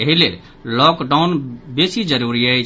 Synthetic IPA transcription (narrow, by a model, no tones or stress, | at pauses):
əɦile | lɔkɖaʊnbesid͡ʒəɾuɾiəjt͡ʃ